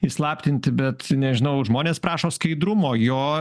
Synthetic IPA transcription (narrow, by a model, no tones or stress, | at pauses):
islˠɑːpʲt̪ʲɪnʲt̪ʲɪbʲɛt̪nʲɛʒʲɪnɐʊʒmoːnʲeːspɾɑːʃoːskɐɪd̪ɾʊmoːjoː